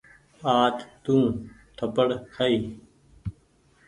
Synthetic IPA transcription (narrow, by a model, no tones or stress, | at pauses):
aːt̪t̪ũː | ʈʰəpəɽkʰəiː